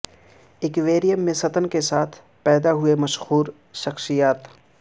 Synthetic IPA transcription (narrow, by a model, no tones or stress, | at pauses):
ekʋeːɾijəmːẽsɐt̪ənkesaːt̪ʰ | pɛːd̪aɦʊemɐʃhuːɾ | ʃɐxʃijaːt̪